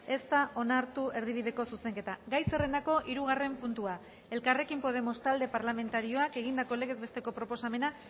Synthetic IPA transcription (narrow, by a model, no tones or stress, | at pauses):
e̞st̪ao̞naɾt̪ue̞ɾð̞iβ̞iðe̞ko̞suse̞ŋke̞t̪aɡajsere̞nako̞ʔiɾuɣare̞mpunt̪ua | e̞lkare̞kimpo̞ð̞e̞mo̞st̪ald̪e̞paɾlame̞nt̪aɾio̞ake̞ɣ̞ind̪ako̞le̞ɣ̞e̞zβe̞st̪e̞ko̞pɾo̞po̞same̞na